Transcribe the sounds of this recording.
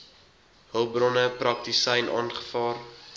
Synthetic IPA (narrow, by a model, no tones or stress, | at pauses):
ɦəlˠbrɔnəprɐk̚tisɛjnʔɑ̰ːnχə̥fɑːr